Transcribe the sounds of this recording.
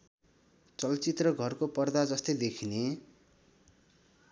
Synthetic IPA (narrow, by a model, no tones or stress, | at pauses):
t͡sʌlt͡sit̪rʌɡʱʌrkopʌrd̪ad͡zʌst̪ʌjd̪ekʰine